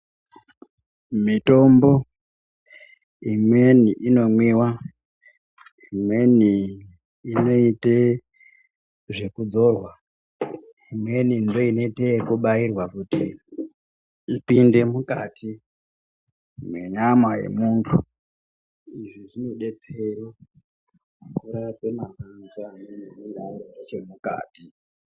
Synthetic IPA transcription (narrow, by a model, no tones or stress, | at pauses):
mito̞mbo̞ | imwe̞niʔino̞mwiwa | imwe̞ni | ino̞ite | ʐe̞kud͡zo̞rwa | imwe̞nindo̞ino̞itekuɓairwakuti | ipinde̞muka̰ːtʰi | mwe̞ɲamwaje̞̰muntʰu | iʐiʐino̞ɗe̞t͡sero | makuɾape̞makanzameneniɗaoat͡ʃemuka̰ːti